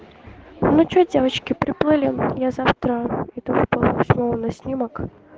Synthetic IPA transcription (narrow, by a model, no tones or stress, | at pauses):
vnɔt͡ɕudʲevət͡ɕkʲɪpɾʲɪplˠɨlʲɪjazaft̪ɾəit̪ɨvɨpəlˠsʲmʲolˠnɐsʲnʲimək